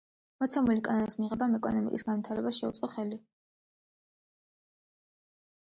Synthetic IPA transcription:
mɔt̪sʰɛmulikʼanɔnismiʁɛbamɛkʼɔnɔmḭkʼisɡanwmit̪ʰaɾɛbasʃɛut̪sʼqʼɔχɛli

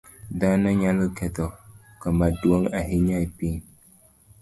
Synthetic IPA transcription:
danaɲalɨkɛtɔ | kamaduoŋaɦiɲaipiŋ

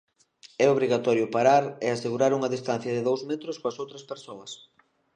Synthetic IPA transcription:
ɛoβɾiɣat̪ɔɾjʊpaɾaɾɛaseɣuɾaɾuŋɐðist̪an̟θjɐðɪðowzmɛt̪ɾʊskoɐsowt̪ɾɐspeɾsoɐs

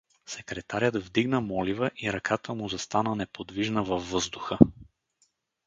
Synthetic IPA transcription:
sɛkɾɛt̪aɾʲjəd̪vd̪iɡnəmɔlivəʔiɾɐkʰat̪əmʊzɐst̪anənɛpod̪viʒnəvɐvːɤzd̪ʊxə

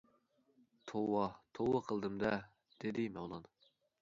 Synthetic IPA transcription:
t̪ʰowɑt̪ʰowɑqʰəlˠd̪ɨmd̪ɛ | d̪̥ed̪ɪmɛwlˠɑn

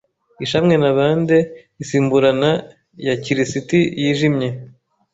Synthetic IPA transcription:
iʃamŋe̞naβaːnde | isiːmbuɾana | jaciɾisitijiːʒimɲe̞

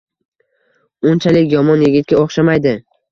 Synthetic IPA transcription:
ʊnt͡ʃʰalɪkʲjɒmɒnjɪɡʲɪt̪̚kʲaoχʃamajd̪ɪ

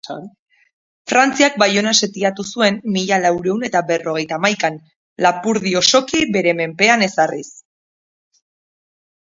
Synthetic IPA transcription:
fɾant͡siak̚bajo̞nase̞t̪iat̪usue̞mːiʎalawɾe̞une̞t̪abe̞ro̞ɣ̞e̞jt̪aːmajkan | lapuɾðio̞so̞kibe̞ɾe̞me̞mpe̞ane̞saris

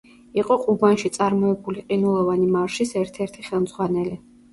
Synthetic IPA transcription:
iqʼɔqʼubanʃit̪sʼaɾmɔɛbuliqʼinulˠɔvanimaɾʃisɛɾt̪ʰɛɾt̪ʰiχɛlˠmz̥ʁwanɛli

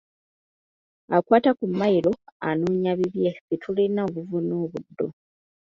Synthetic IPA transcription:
akwaːtakumːajiɾo̞a̰nuːɲaβiβjesetʰulinaoβuvuno̞ːβudːo̞

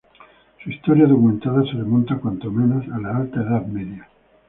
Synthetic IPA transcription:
suist̪o̞ɾjaðokumẽ̞nt̪aðaseremont̪akwant̪o̞me̞no̞salaalt̪aeðaðme̞ðja

